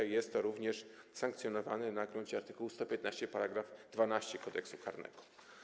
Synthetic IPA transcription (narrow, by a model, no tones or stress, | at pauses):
ajɛst̪ːɔɾuvɲɛʂsaŋkt̪sʲjɔnɔva̰nɘnaɡɾuɲt͡ɕɛaɾt̪ɘkuwust̪ɔpʲjɛt̪naɕt͡ɕɛpaɾaɡɾavd̪vanaɕt͡ɕɛkɔd̪ɛ̰ksukaɾnɛ̰ɡ̥ɔ̥